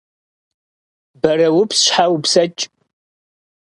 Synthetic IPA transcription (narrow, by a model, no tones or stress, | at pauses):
bɐɾɐwʊpsʃħawpsɐt͡ʃʼ